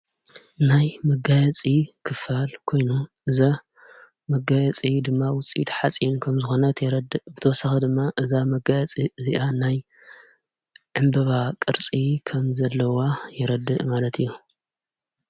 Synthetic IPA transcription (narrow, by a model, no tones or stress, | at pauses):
najmɐɡajɐt͡sʼikʰɨfalkʰo̞jnuʔɨza | mɐɡajɛt͡sʼid̪ɨmːawʊt͡sʼḭt̪ʰħat͡sʼinkʰɐmzɨxo̞nɐt̪ʰjɛɾɐd̪ɨbɨt̪ʰɐwɔsaxid̪ɨmːaʔɨzamɐɡajɛt͡sʼiziʔanaj | ʕɨmbɐβakʼɨɾt͡sʼikʰɐmzɐlːɐwajɛɾɐd̪ɨʔmalɐt̪ʰɨjːu